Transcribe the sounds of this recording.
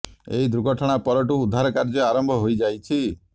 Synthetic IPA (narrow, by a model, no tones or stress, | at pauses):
ḛɦid̪ɾuɡɔʈʰɔɽ̃apɔɾɔʈuːd̪ʱːaɾɔkaɾd͡ʒɔaɾɔmbʱɔɦojd͡ʒajt͡ʃʰi